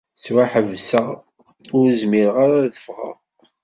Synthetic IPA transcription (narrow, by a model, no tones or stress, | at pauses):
swaħəvsə | ʊɾəzmiɾʁaɾaðəfʁə̰ʁ